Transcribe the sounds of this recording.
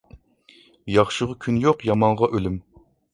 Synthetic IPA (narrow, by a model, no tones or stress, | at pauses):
jɑχʃɨʁʊkʲʰynjoqjɑmɑɴʁɑʔølym